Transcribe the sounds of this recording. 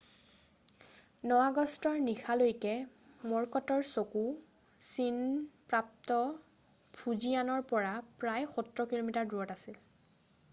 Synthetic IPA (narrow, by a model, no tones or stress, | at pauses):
nɔwaɡɔstɔɹnixʰalojkɛ | mɔɹkɔtɔɹsoku | sinpɹap̚tɔ | pʰuzianɔɹpɔɹapɹajxutɹɔkilomitaɹduɔtasil